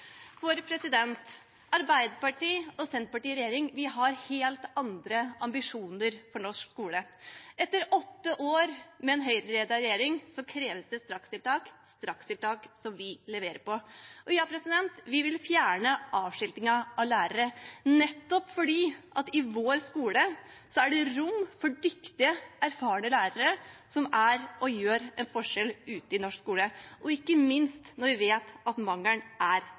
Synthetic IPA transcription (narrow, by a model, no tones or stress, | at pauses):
fɔɾpʰɾɛsɪd̪ɛnt̪ | ɑɾbæɪd̪əpɑʈiːɔsɛnt̪pɑʈiːɾɛjeːɾɪŋʋɪɦɑɾheːlt̪ɑnd̪ɾəɑmbɪʂuːnəɾfɔɳɔʂkskuːləɛt̪ːəɾɔt̪ːəʔoːɾmɛɛːnɦœʏɾəɾed̪ɑɾɛjeːɾɪŋsɔkʰɾeːʋəsd̪ɛst̪ɾɑkst̪ɪlt̪ʰɑːkst̪ɾɑkst̪ʰɪlt̪ʰɑːksɔmʋɪlɛʋeːɾəpɔʔɔjɑːpʰɾɛsɪd̪ɛnt̪ʋɪʋɪlfjæːɳəʔɑːʋʂɪlt̪ɪŋɑɑʋlæːɾəɾənɛt̪ːɔpfɔɖiːʔɑt̪ɪʋoːɾskuːlə | sɔæɖɛɾʊmːfɔɖʏkt̪ɪəæɾfɑːɳəlæːɾəɾəsɔmæɾɔjøːɾɛnfɔʂɛlʉːt̪əɪnɔʂkskuːləʔɔɪkːəmɪnst̪nɔɾʋɪʋeːt̪ʔɑt̪mɑŋːəɳʔæɾ